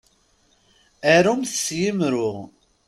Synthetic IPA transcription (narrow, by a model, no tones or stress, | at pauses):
æɾumθsjimɾʊʁ